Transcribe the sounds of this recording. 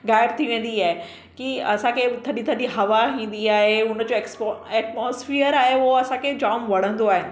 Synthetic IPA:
ɣaːɪbt̪ʰiʋẽːn̆d̪iaːɦe | kiɐ̰sãkʰet̪ʰɐɗit̪ʰɐɗiɦɐʋaɦĩːn̆d̪iaːɦeʊnə̆d͡ʑoːɛksɛːʈmoːsfiːəɾaːɦeʊɦɐsãkʰed͡ʑaːmʋɐɽ̤ə̃nd̪oaːɦɪnɪ̆

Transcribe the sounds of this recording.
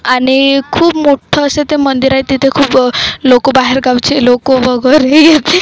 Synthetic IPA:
aɽ̃ikʰuːpmoʈʰəːset̪emənd̪iɾajt̪it̪ekʰuːplokobaɦeɾɡawt͡ɕelokoʋəɡəɾejet̪

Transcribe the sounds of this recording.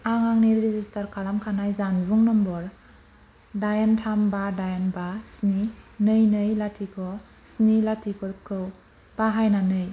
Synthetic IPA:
aŋaŋniɾɾizistʰaɾkʰalamkʰanajzanbuŋnɔmbɔɾ | dajantʰambadajanbasninɯjnɯjlatʰikʰɔ | snilatʰikʰɔkʰɯw | b̥aɦajnanɯj

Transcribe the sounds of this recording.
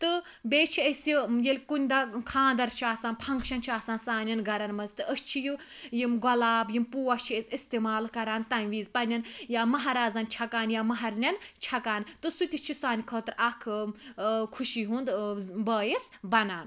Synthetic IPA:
t̪ɨ | beːt͡ʃʰiəsjijelʲkunʲd̪akʰãːnd̪ɐɾt͡ʃʰaːsaːnpʰɐŋkʃɐnt͡ʃʰiaːsaːnsaːnʲɐnɡɐɾɐnmɐzt̪ɨʔəst͡ʃʰijɨ | jimɡɔlaːbjimpuːɐt͡ʃʰiesist̪eːmaːlkɐɾaːnt̪ɐnʋiːzpɐnʲɐnjaːmɐɦaɾaːzɐnt͡ʃʰɐkaːnjaːmɐɦɐɾnʲɐnt͡ʃʰɐkaːnt̪ɨsut̪ʲit͡ʃʰisaːnʲikʰɐːt̪ɾakʰ | kʰuʃiɦũːnd̪bɐːjisbɐnaːn

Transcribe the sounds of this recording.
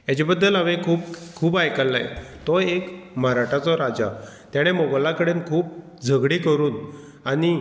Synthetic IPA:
jat͡ɕebəd̪ːəlaʋekʰuːp̚kʰuːbajkəlːa̰j̰t̪ɔekməɾaʈʰat͡sɔɾad͡zat̪jaɽ̃emoɡəlakəɽenkʰuːp̚ | d͡zʱəɡɽikəɾuːn | ani

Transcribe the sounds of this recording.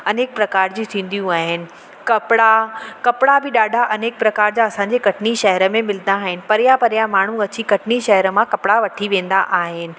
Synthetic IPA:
ɐneːk̚pɾɐkaːɾd͡ʑit̪ʰĩːn̆d̪ijũaːɦɪnɪ̆ | kɐpɪɽakɐpɪɽabɪɗaːɖʱaʔɐneːk̚pɾɐkaːɾd͡ʑaɐsãɲ̆d͡ʑekɐʈʰɪniʃɐɦəɾə̆mẽmɪlənd̪aːɦɪnɪ̆pɐɾɪjapɐɾjamaːɳ̤ũɐt͡ɕikɐʈʰɪniʃɐɦəɾə̆mãkɐpɪɽaʋɐʈʰiʋẽːnd̪aʔaːɦɪnɪ̆

